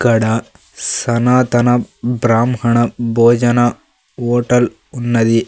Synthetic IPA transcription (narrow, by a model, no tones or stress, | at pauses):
kɐɽɐ | sɐnaːt̪ɐnɐbɾaːmhɐɳɐbʱoːd͡ʒɐnɐ | oːʈɐl | unːɐd̪i